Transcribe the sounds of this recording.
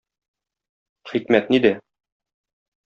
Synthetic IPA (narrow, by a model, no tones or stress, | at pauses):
χikmæt̪nid̪æ